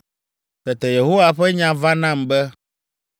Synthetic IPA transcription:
t̪ɛ˨t̪ɛ˨je˨ɦo˦wa˦ɸɛ˦ɲã˨va˦nã˦˨mbɛ˦

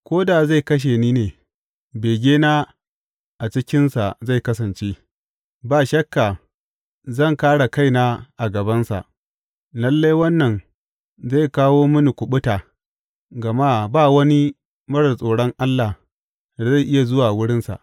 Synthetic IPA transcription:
kʷoː˦da˨za˦˨jkɐ˦ʃ̬e˨niː˦neː˨ | beː˨ɡʲeː˦naː˦ | ʔa˨t͡ʃɪ˦kʲɪ˦nsa̰˨za˦˨jkɐ˦s̬ɐ˨nt͡ʃe˦ | baː˨ʃɐ˦kːa˨ | zɐ˦˨ŋkaː˦ɽa˨ka˦jna˦ʔa˨ɡɐ˨bɐ˦nsa̰˨ʔ | lɐ˦lːa˦jwɐ˦nːɐ˨n | za˦˨jkaː˦woː˦mʊ˦ni˨kʷʊ˨ɓʊ˦taː˨ | ɡɐ˨maː˦baː˦˨wɐ˦ni˦ | mɐ˦ɽɐ˨sʼoː˨ɽɔ˦ŋʔa˦lːa˨ | da˨za˦˨ʔɪ˦ja˨zʊ˦waː˨wʊ˦ɽɪ˦nsa̰˨ʔ

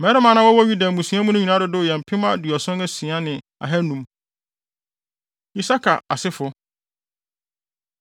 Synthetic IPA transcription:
mɛ˨˦ɾɪ˦mã˨nã˦wɔ˦wɔ˦ɥu˦da˨mũ˨sĩ˨˦a˦mũ˦nʊ̃˦ɲĩ˨nã˦dʊ˨dʊ˦˨jɛ˨m̩˨pʰɪ̃˦mã˦du˨ɔ˨sʊ̃˦nɛ˦sĩ˨a˦nɪ̃˨ | a̰˨ɦɛ˦nũ˨m | i˨sa˦kʰa̰˨a˨sɪ˦fʊ˨

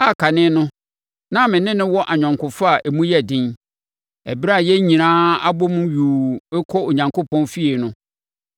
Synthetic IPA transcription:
a˦˨kʰa˨nɪ̃˦nʊ̃˦ | nã˦mɪ̃˨nɪ̃˦nɪ̃˦wɔ˦ʔa˨ɲᶣã˨ŋkʰʊ˨fa˦a˨ʔɛ˨mũ˦jɛ˦˨dɪ̃˦n | ɛ̰˨bɾa˦˨jɛ˦ɲĩ˨nãː˦a˦bɔ˦mʊ̃˦ɥuː˨˦kʰɔ˦o˨ɲã˨ŋkʰo˦pʰɔ̃˦nfi˦e˨nʊ̃˦

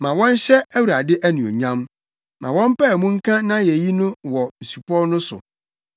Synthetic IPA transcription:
mã˨wɔ̃˦n˦ɕɛ˦æ˦wu˨ɾa˨dɪ˦ʔæ˦nũ˨o̰˨ɲã˦m | mã˨wɔ̃˦m˦pɛ˦˨mũ˦ŋ̩˦kʰã˦nã˦jɛ˨ji˦nʊ̃˦wɔ˨n̩˨su˨pʰɔ˦nʊ̃˦sʊ̰˨

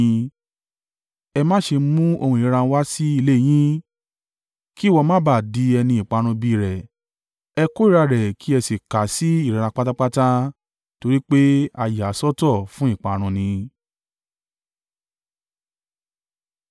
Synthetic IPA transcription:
ɛ˧mãː˦ʃe˧mũ˦o˧hũ˧˨˦ɾa˧n̩˦wa˦si˦i˧le˦˨j̃ĩ˦ | ki˦˨wɔ˧mãː˦ba˦˨di˨˦ɛ˧nĩ˧i˨k͡pa˨˧ɾ̃ũ˧bi˧˨ɾɛ˨ | ɛ˧ko˦i˦˨ɾa˧ɾɛ˨kʰi˦ɛ˧si˨ka˨˦si˨˦i˦˨ɾa˨˧ɾa˧k͡pa˦ta˦k͡pa˦ta˦ | to˧ɾi˦k͡pe˦a˧ja˨˦sɔ˦tɔ˦˨fũ˦i˦˨k͡pa˨˧ɾ̃ũ˧nĩ˧

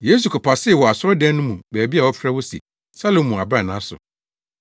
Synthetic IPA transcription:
je˦s̬u˨kʰɔ˨pʰa˨sɪ˦˨wɔ˨a˨sʊ˦ɾɔ˦dɛ̃˦nʊ̃˦mũ˨bæː˨bi˦a˨wɔ˦fʰɾa˦wɔ˦sḭ˨ | sa˦lo˨mːũ˨a˨bɾã˦˨nã˦sʊ̰˨

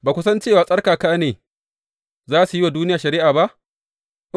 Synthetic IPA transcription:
baː˨kʷʊ˦sɐ˦nt͡ʃeː˦˨waː˨sʼɐ˦rkaː˨kaː˦neː˨ | zaː˦su˨jwaː˨duː˦nɪ˦jaː˨ʃɐ˨ɾiː˦ʔaː˨ba˦ʔ | ʔ

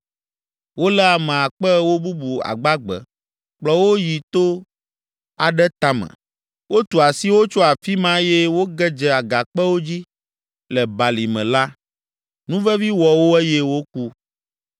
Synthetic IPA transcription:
wo˦lɛ˦a˨mɛ̃˨a˨k͡pɛ˦wo˦bu˦bu˨a̰˨ɡ͡ba˦ɡ͡bɛ̰˨ | k͡plɔ˨wo˦ji˨t̪o˦ | a˨ɖɛ˦t̪a˦mɛ̰̃˨ | wʔo˦t̪u˨a˨si˦wo˦t͡ʃo˦a˨fi˦mã˦jɛ˦wo˦ɡɛ˦d͡ʒɛ˦a˨ɡa˨k͡pɛ˦wo˦d͡ʑi˦ | lɛ˨ba˨li˨mɛ̰̃˨la˦ | nũ˦vɛ˦vi˦wɔ˨wo˦ɛ˦jɛ˦wo˦ku˦

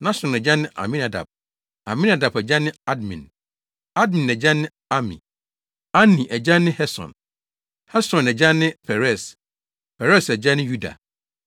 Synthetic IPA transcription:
nã˦sɔ̃˨nɛ˨d͡ʑã˦nːɪ̃˦ʔa̰˨mĩ˦na˨da̰˨b̚ | a̰˨mĩ˦na˨da˨bɛ˨d͡ʑã˦nɪ̃˦a˦dmḭ̃˨n | a˦dmĩ˨nɛ˨d͡ʑã˦nːɪ̃˦ | a˦mḭ̃˨ | a˦nːĩ˨ʔɛ˨d͡ʑã˦nɪ̃˦hɛ˦sɔ̰̃˨n | hɛ˦sɔ̃˨nɛ˨d͡ʑã˦nːɪ̃˦pʰɛ˨ɾɛ˦˨s | pʰɛ˨ɾɛ˦sɛ˨d͡ʑã˦nɪ̃˦ju˦da̰˨

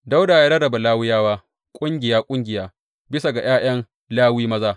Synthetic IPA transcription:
da˦wdaː˨jaː˦dɐ˦ɾɐ˨ba˨laː˦wɪ˦jaː˦waː˦ | kʷʼʊ˦ŋɡʲɪ˨jaː˦kʷʼʊ˦ŋɡʲɪ˨jaː˦ | bɪ˦sa˨ɡa˨j̰aː˦j̰ɐ˦ŋ | laː˦wiː˦mɐ˦zaː˦

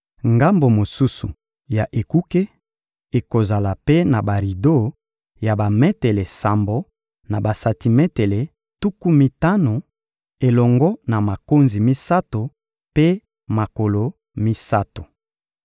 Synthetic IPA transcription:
ŋɡa˦mbo˨mo˨su˦su˨ | ja˨ʔe˨ku˦ke˦ | e˨ko˨za˨la˨pe˦na˨ba˨ʁi˨do˦˨ | ja˨ba˨me˦te˨le˨sa˨mbo˨ | na˨ba˨sa˨ti˨mɛ˦te˨le˨ | tu˦ku˦mi˦ta˦no˨ | e˨lɔ˨ŋɡɔ˦na˨ma˨ko˦nzi˨mi˦sa˦to˨ | pe˦ | ma˨ko˨lo˨ | mi˦sa˦to˨

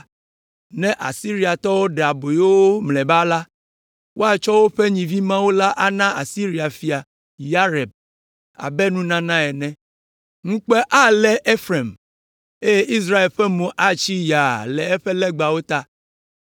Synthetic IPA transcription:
nɛ̃˦ʔa˨si˦ɾi˦a˨t̪ɔ˦wo˦ɖɛ˨a˨bo˨jo˦wo˦mlɛ̃˨ba˦la˦ | wo˦a˦t͡ʃɔ˦wo˦ɸe˦ɲĩ˨vi˦mã˦wo˦la˦ʔa˦nã˦a˨si˦ɾi˨a˨fi˨a˨ | ja˦ɾɛ˨b̚ | a̰˨bɛ˦nũ˦nã˦nã˦ɛ˨nɛ̃˦ | ŋũ˦k͡pɛ˦ʔa˦lɛ˦ʔe˦fɾɛ˨m | e˦je˦ʔi˦s̬ɾa˦e˨lɸɛ˦mũ˨ʔa˦t͡ʃi˦ja˨lɛ˨ɛ˦ɸɛ˦lɛ˦ɡ͡ba˨wo˦t̪a˦

